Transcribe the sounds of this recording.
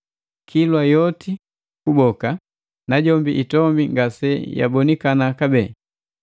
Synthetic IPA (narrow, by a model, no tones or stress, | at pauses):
kʰilwajɔti | kubɔka | naɟɔmbiʔitɔmbiŋɡasɛja̰bɔnikanakabɛː